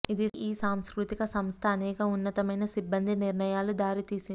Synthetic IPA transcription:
id̪iiːsaːmskɾut̪ikɐsɐmst̪ʰɐːnɛːkɐunːɐt̪ɐmɐjnɐsibːɐnd̪ʱiniɾɳɐjaːlud̪aːɾit̪iːsin

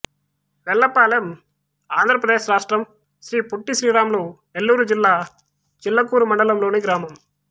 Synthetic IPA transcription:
ʋɛlːɐpːaːlɐm | aːnd̪ɾɐpɾɐðeːsɾaːʂʈɾɐm | ʃɾiːpɔʈːisɾiːɾaːmloː | ɛlːuːɾud͡ʒɪlːaː | t͡ʃɪlːɐkːuːɾumɐɳɖɐlɐmloːnɯɡɪɾaːmɐm

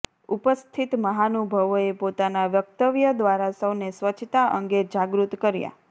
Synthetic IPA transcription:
upəst̪ʰit̪məɦanubʱəʋoepot̪anaʋjək̚t̪əʋjəd̪ʋaɾasəʋnesʋət͡ʃʰt̪aʔəŋɡed͡ʒaɡɾut̪kəɾja̰

